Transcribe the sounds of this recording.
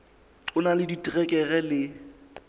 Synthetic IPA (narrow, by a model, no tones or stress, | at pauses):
ǀʊnalɪditʼirɛkʼɛɣɛlɪ